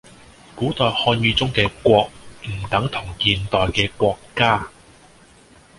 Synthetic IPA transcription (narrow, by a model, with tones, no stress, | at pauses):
kuː˨˥t̪ɔː˨jhɔː˧njyː˧t͡sʊ˥ŋkɛː˧kʷɔː˧k̚m̩˨˩t̪ɐ˨˥ŋt̪ʰʊ˨˩ŋkiː˧nt̪ɔː˨jkɛː˧kwɔː˧kːaː˥